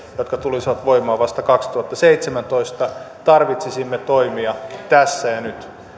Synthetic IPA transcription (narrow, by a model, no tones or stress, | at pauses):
jot̪kɑt̪ulisiʋɑt̪ʋoimɑːʋɑst̪ɑkɑkst̪uhɑt̪ːɑseit̪semænt̪o̞ist̪ɑt̪ɑrʋit̪sisimːet̪oimiɑt̪æsːæjɑnyt̪